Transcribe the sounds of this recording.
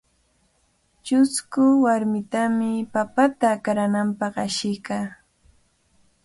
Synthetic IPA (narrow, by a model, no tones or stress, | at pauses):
t͡ʃʊskʊwaɾmɪt̪amɪpapat̪aːkaɾanampɑχaʃɪjkaː